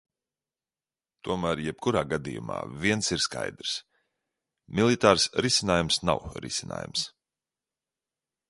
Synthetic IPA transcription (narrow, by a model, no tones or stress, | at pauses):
t̪uɔmæːɾjɛp̚kuɾaːɡad̪ḭjṵma̰ːviɛnsiɾska̰jd̪ɾs | mʲilˠit̪aːɾsɾisʲinaːjumsna̰wɾḭsʲina̰ːjṵms